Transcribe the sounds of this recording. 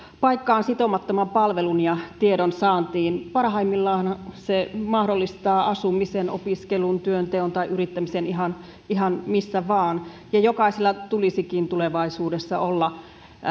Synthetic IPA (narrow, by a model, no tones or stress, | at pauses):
pɑikːɑːnsit̪omɑt̪ːomɑmpɑlʋelunjɑt̪ieɾonsɑːnt̪iːnpɑrhɑimːilːɑːnsemɑhdolːist̪ɑːʔɑsumiseno̰piskelunt̪yønt̪eont̪ɑiʔyrit̪ːæmiseniɦɑn | iɦɑnmisːæʋɑːnjɑjokɑiselːɑt̪ulisikint̪uleʋɑisuːdesːɑ̰olːɑ